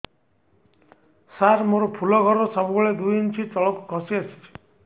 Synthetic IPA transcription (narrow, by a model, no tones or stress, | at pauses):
saɾmoɾɔpʰulɔɡʱɔɾɔsabuɡɔɭed̪ujint͡ʃʰit͡ʃɔɭɔkukʰɔsiat͡ʃʰi̥t͡ʃʰi̥